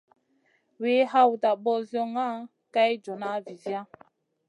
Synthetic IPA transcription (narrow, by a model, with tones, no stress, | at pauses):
we˨˦ha˦˨wu˨ta˨ɓɔ˦zjɔ˦ŋa˦˨ | ka˦jd͡ʒɔ˨na˦vi˨zja˦